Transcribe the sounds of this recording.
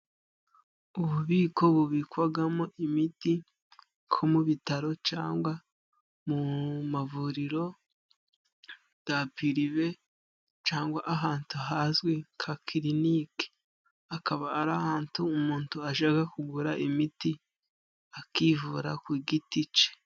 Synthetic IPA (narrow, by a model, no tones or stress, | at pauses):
uβuβiːko̞βuβikwaɡamo̞ʔimiti | kʰo̞muβitaɾo̞t͡ʃa̰ːŋɡwa | mumavuɾiɾo̞ | ɡ̥apiɾiβe̞ | t͡ʃaːŋɡwaʔaɦaːntuaɦazɡwekʰakʰiɾinike̥ | akaβaːɾahaːntuːmuːntuaʒaɡakuɡuɾaʔimiti | akivuɾakwiːɡitit͡ʃe̥